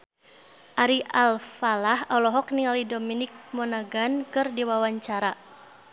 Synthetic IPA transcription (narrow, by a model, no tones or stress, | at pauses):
ʔaɾiʔalfalahɔlɔɦɔk̚niŋalidominɪk̚mɔnaɡankɨrdiwawaɲt͡ʃaɾa